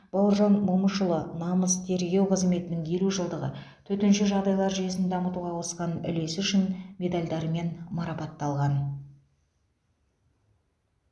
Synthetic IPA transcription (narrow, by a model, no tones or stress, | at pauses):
b̥ɑwəɾʒɑnmoməʃəlˠənɑməzt̪ʰe̞ɾɡʲe̞wqʰəzme̞t̪ɪnɪŋje̞luʒəlˠd̪əʁə̰ | t̪ʰɵt̪ɪnʃɪʒɑʁd̪ɑjlˠɑɾʒʏje̞sɪnd̪ɑmət̪uʁɑwosqɑnʏ̰le̞sʏʃɪnmʲe̞d̪alʲd̪ɑɾme̞nmɑɾɑpɑt̪ːɑlˠʁɑn